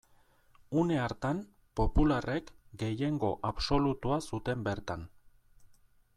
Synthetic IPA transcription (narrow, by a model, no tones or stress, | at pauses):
une̞aɾt̪an | po̞pulare̞kɡe̞je̞ŋɡo̞ʔaβso̞lut̪uasut̪e̞mbe̞ɾt̪an